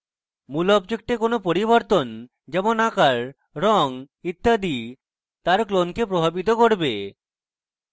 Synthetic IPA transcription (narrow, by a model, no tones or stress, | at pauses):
mulɔpd͡ʑok̚ʈekonopoɾiboɾt̪on | d͡ʒɛmonakaɾ | ɾɔŋ | it̪ːad̪i | t̪aɾklonkepɾobʱabit̪̬okoɾbe